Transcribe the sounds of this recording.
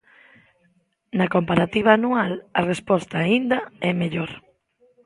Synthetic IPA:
nɐkompaɾat̪iβ̞aːnualɐrespɔst̪aːind̪ɐɛmeʎoɾ

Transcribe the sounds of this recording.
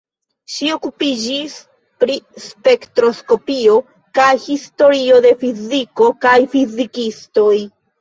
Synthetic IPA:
ʃio̞kupid͡ʒis | pɾispe̞ktɾo̞sko̞pio̞ | kajhisto̞ɾio̞de̞fiziko̞kajfizikisto̞j

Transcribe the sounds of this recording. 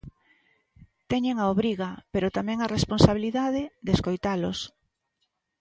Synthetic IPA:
t̪ɛɲeŋaoβɾiɣapeɾot̪amɛ̃ŋaresponsaβiliðað̞ed̪eskojt̪alos

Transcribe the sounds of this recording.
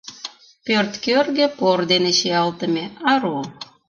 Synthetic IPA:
pørt̪kørɣepord̪eneʃeɑlt̪ə̆mʲeɑɾo

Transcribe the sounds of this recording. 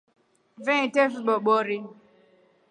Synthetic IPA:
vɛ̃tefiɓɔɓɔɾi

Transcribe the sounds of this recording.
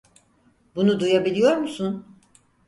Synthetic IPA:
bunud̪ujabilʲijo̞ɾmusun

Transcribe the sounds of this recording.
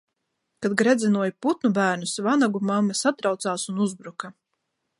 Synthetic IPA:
kad̪̚ɡɾɛd̪zɛnuɔjput̪nubæːɾnusvanaɡumamːɛsat̪ɾawt̪saːsunuzbɾuka

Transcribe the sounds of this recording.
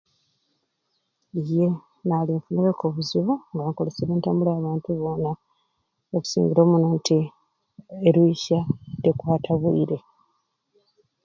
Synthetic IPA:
ije | naliɱfuneβekoβuziβuŋɡaŋkole̞seβeːntaːmbulaːβaːntuβo̞na | oku̥sḭːɲɡiɾo̞ːmunantʰi | eɾwiːʃadekwaːtʰaβwiːɾe̞

